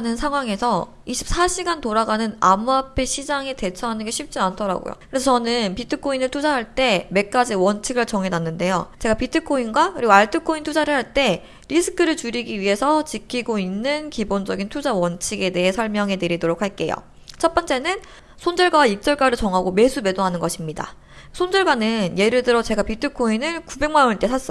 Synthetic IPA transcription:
nɯnsʰaŋɦwaŋe̞sʰʌ | iɕʰi̥p̚s͈ʰaɕʰiɡantoɾaɡanɯna̰muapʰe̞ɕʰid͡ʑaŋete̞t͡ɕʰʌɦanɯnɡe̞ɕʰɥip̚t͡ɕ͈iantʰʌɾa̰ɡo̰jo̰kɯɾesʰʌt͡ɕʌnɯnpitʰɯkʰoinɯɭtʰud͡ʑaɦaɭt͈e̞me̞k̚k͈ad͡ʑiwʌnt͡ɕʰiɡɯɭt͡ɕʌŋɦe̞nanːɯnde̞jo̰t͡ɕe̞ɡapitʰɯkʰoinɡwakɯɾiɡoaɭtʰɯkʰointʰud͡ʑaɾɯɭɦaɭt͈e̞ | ɾisʰɯ̥kʰɯɾɯɭt͡ɕuɾiɡiɥiɦe̞sʰʌt͡ɕikʰiɡoinːɯnkibond͡ʑʌɡintʰud͡ʑawʌnt͡ɕʰiɡe̞de̞ɦe̞sʰʌɭmjʌŋɦe̞nɯɾidoɾokʰaɭk͈e̞̰jo̰ | t͡ɕʰʌt̚p͈ʌnt͡ɕ͈e̞nɯn | sʰond͡ʑʌɭɡwawaik̚t͡ɕ͈ʌɭɡ͈aɾɯɭt͡ɕʌŋɦaɡome̞sʰume̞doɦanɯnɡʌɕʰimɲida̰ | sʰond͡ʑʌɭɡwanɯnje̞ɾɯɭdɯɾʌt͡ɕe̞ɡapitʰɯkʰoinɯɭkube̞ŋmaont͈e̞sʰas͈ʌ

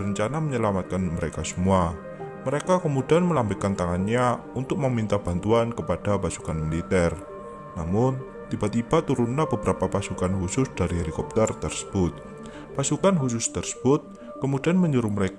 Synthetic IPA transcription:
ɾəɲt͡ʃanaməɲəlamat̪̚kanməɾekasəmua | məɾekakəmudianməlambikant̪aŋanɲaunt̪ʊk̚məmint̪ab̥ant̪uankəpad̥apasu̥kanmilit̪ɛr | namʊn | t̪ibat̪ib̥at̪uɾunlabəbəɾapapasukanhusʊsd̥aɾiɦelikɔp̚t̪ərt̪ərsə̥b̥ʊt̪̚ | pasukanhusʊst̪ərsə̥b̥ʊt̪̚ | kəmudianməɲuɾʊməɾek

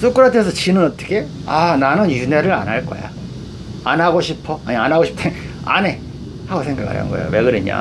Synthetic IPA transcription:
sʰok͈ɯɾatʰes̬ʰʌt͡ɕinɯnʌt͈ʌ̥kʰe̞ananɯnjune̞ɾɯɾa̰nɦaɭk͈ʌ̰ja̰ | anɦaɡoɕʰipʰʌaɲianaɡoɕʰi̥p̚t͈ʰen | a̰ne̞ | haɡosʰe̞ŋɡakʰa̰ɾjʌ̰ŋɡʌejo̰we̞ɡɯɾɯɲa̰

